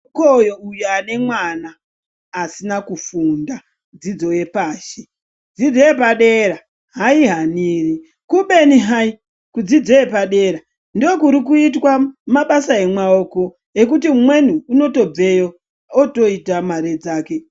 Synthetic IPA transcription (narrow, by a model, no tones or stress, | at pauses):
kojoujuane̞mwanaː | sinakufunda | d͡zid͡zo̞je̞paːʃe | d͡zid͡zo̞je̞paɗe̞ɾa | ɦaiɦaniːri | kuɓe̞niɦai | kud͡zid͡zo̞je̞paɗe̞ːɾa | ndokuɾik̬uitwamaɓasae̞mwaoko̞ | ekutiumwe̞n̤uːno̞to̞b͡ve̞jo | oto̞itamaɾed͡zaːke̞